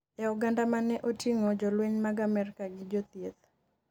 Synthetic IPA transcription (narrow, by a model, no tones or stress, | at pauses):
ɛɔɡandamanɛʔotiŋɔd͡ʒɔlweɲmaɡamɛrkaɡɪd͡ʒot̪jet̪̚